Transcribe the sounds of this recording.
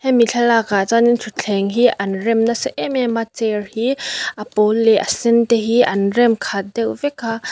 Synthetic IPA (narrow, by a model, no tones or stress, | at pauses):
hɛmiɬʰalakat͡sanintʰut͡ɬʰɛŋɦiʔɐnrɛmnɐsɛʔɛmɛmat͡sɛrhiʔapɔlːɛʔasint̪ɛɦiʔɐnrɛmkʰat̪̚dɛwvɛkʰa